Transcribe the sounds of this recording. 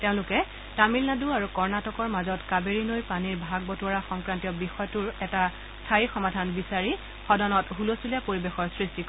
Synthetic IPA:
teʊ̃lʊkɛ | tamilnaduaɹukɔɹnatɔkɔɹmazɔtkabeɹinojpaniɹbʱaɡ̚bɔtuaɹaxɔŋkɹantijɔbixɔjɔtuɹɛta | stʰajixɔmadʱanbisaɹi | xɔdɔnɔtɦulosulijapoɹibexɔɹsɹistik

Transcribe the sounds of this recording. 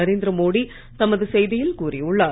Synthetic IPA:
ɐɾeːnd̪ɾɐmoːɽi | t̪ɐmːɐðɯsɛjðɪjɪlkuːɾiʊɭːaː

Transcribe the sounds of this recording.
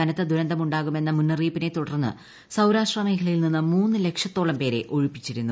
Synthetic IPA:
ɐnɐt̪ːɨd̪ʱuɾɐnd̪ɐmuɳɖaːɣume̞nːɐmunːɐriːpːine̞t̪uɽɐrnːɨ̰ | sɐwɾaːʂʈrɐme̞ːkʰɐlɐjilninːɨmuːnːɨle̞kʂɐt̪ːoːɭɐmpe̞ːɾe̞̰ʔo̞ɻupːit͡ɕːiɾunːu

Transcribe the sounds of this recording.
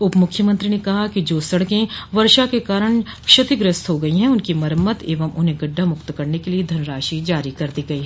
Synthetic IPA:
ʊpmʊkʰːjəmɐ̃nt̪ɾinekɐɦakid͡ʒoːsɐɽkẽʋɐɾʃakekaːɾəɽ̃kʃɐt̪ɪɡɾɪst̪ɦoɡɐiɦɛ̃ʊnkimɐɾmət̪eːʋəmʊnɦẽɡɐɖːamʊkt̪kɐɾnekelied̪ʱɐnɾaːʃid͡ʒaːɾikɐɾd̪iɡɐiɦɛː

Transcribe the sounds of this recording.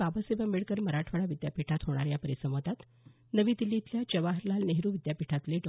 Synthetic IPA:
babaseʋameɭkəɾməɾaʈʰʋəɭaʋid̪japiʈʰat̪ɦoɽ̃aɾjapəɾisəmət̪at̪ | nəʋiːt̪ilːit̪ljat͡ɕəʋaɦəɾlalneɦɾuʋid̪japiʈʰat̪leɖɔ

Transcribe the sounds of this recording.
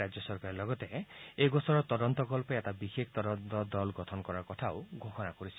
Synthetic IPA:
ad͡ʒjɔsɔɾkaɾlɔɡɔt̪eeɡɔsɔɾɔt̪ɔd̪ɔnt̪ɔkɔlpɔet̪abikʰekʰt̪ɔd̪ɔnt̪ɔd̪ɔlɡɔt̪ʰɔnɔkɔɾakɔt̪ʰawɡʱoxɔnakɔɾisʰi̥

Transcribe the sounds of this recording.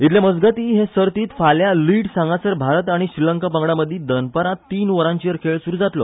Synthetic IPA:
it̪ljaməd͡zɡat̪iːɦẽsəɾt̪iːt̪faljaliʈsãŋɡasəɾbʱaɾət̪aɽ̃iɕɾiləŋkapə̃ŋɡɽaməd̪ʱːid̪ənpəɾat̪iːnʋəɾãɲt͡ɕiəɾkʰeɭsuɾud͡zat̪lɔ

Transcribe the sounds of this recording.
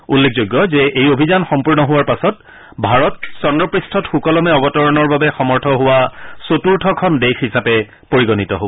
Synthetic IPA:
ulːek̚ʰzojɡːɔzɛʔejobʱizanxɔmpuɹnɔɦʊwaɹpasɔt | bʱaɹɔtsɔndɔpɹistʰɔtxukɔlɔmɛɔbɔtɔɹɔnɔɹbabɛxɔmɔɹtʰɔɦʊwasotuɹtʰɔkʰɔndexɦisapɛ | poɹiɡɔnitɔɦo

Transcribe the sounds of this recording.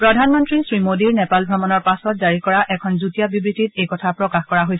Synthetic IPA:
pɹɔdʱanmɔntɹisɹimodiɹnɛpalbʱɔmɔnɔɹpasɔt̚zaɹikɔɹaʔɛkʰɔnzutijabibɹititejkɔtʰapɹɔkaxkɔɹaɦojsɛ

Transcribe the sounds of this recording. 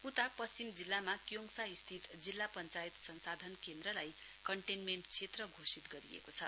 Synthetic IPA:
ut̪ak̚pʌst͡simd͡zilːamakjoŋsaist̪ʰit̪d͡zilːapʌnt͡sait̪sʌnsad̪ʱʌnkend̪rʌlaj | kʌɳʈenmeɳʈt͡sʰet̪rʌɡʱosit̪ɡʌɾḭḛkot͡sʰʌ

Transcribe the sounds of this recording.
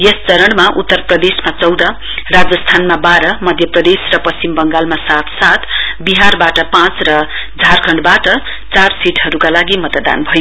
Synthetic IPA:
jest͡sʌɾʌɽmaʔut̪ːʌrprʌd̪esmat͡sʌwd̪ʌ | rad͡zʌst̪ʰanmabaɾʌmʌd̪ʱjʌprʌd̪esrʌpʌst͡simbʌŋɡalmasat̪sat̪biɦarbaʈʌpãt͡srʌ | d͡zʱarkʰʌɳɖbaʈʌ | t͡sarsiʈɦʌɾukalaɡimʌt̪d̪a̰nbʱʌjo

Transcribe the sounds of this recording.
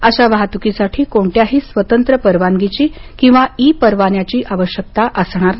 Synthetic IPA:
əɕaʋaɦat̪ukisaʈʰiːkoɳʈ̪jaɦiːsʋət̪ənt̪ɾəpəɾʋaŋɡit͡ɕiːkĩw̃ʋaiːpəɾʋanjat͡ɕiːʔaʋəɕjək̚t̪aʔəsɳ̃aɾ

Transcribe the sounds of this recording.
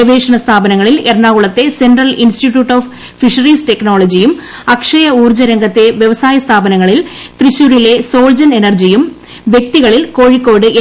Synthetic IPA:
ɐʋeːʂɐɳɐst̪ʰaːbɐnɐŋːɐɭilerɳaːɣuɭɐt̪ːe̞senɖrɐlinsʈiʈjuːʈːoːf | fiʂɐriːsʈe̞kno̞ːɭɐd͡ʑijum | ɐkʂɐjɐuːrd͡ʑɐɾɐŋɡɐt̪ːe̞ʋjeʋɐsaːjɐst̪ʰaːbɐnɐŋːɐɭilt̪riɕːuːɾile̞so̞ːld͡ʑɐne̞nɐrd͡ʑijum | ʋje̞k̚t̪iɣɐɭilko̞ːɻikːo̞ːɽɨʔe

